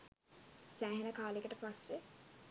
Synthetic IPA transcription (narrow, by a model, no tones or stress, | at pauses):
sæːɦenəkaːlekəʈəpasːe